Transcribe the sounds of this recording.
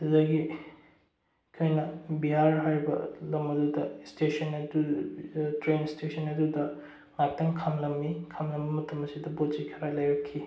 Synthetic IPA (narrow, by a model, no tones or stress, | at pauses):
ɐzɐɡi | kʰojnɐbiɦaɾɦaɾibɐ̰lɐmɐdudɐstesɐnɐdu | tɾenstesʰɐnɐdudɐ | ŋak̚tɐŋkʰɐmlɐmːikʰɐmlɐmbɐmɐtʰɐmɐsidɐbod͡ʒikʰɐɾalɐjɾɐkʰːi